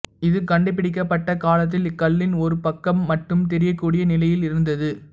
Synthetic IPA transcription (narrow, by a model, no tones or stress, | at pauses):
ɪðɯkɐɳɖɯp̬ːɪɽɪk̬ːɐpːɐʈːɐkaːlɐt̪̬ːɪlɪkːɐlːɪnɔɾɯpɐkːɐmːɐʈrɯmt̪ɛɾɪjɐkːuːɽɪjɐnɪlɐjɪlɪɾɯnd̪ɐðɯ